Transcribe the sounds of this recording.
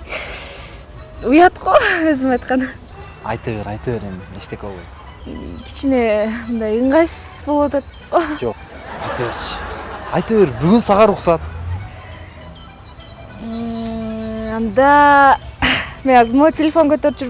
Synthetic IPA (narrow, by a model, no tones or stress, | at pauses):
ujɑt̪qoøzimɑjt̪qɑn | ɑ̰jt̪ɯβeɾɑjt̪ɯβeɾeme̞ʃt̪ekolˠbojt̪ | kʰi̥t͡ʃine̞mɯnd̪ɑjɯɴʁɑjsbo̞lˠuwat̪ɑt̪̚qod͡ʒoq | ɑjt̪ɯβeɾt͡ʃʰɪ̥ɑjt̪ɯβeɾbyɡynsɑʁɑɾuqsɑt̪̚ | ɑnd̪ɑ | menɑzmotʲelʲefo̞ŋkøt̪øɾt͡ʃyɾ